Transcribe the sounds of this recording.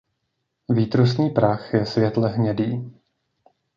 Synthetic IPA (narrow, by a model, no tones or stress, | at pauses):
viːt̪ɾusɲiːpɾaxjɛsvjɛt̪lɛɦɲɛdiː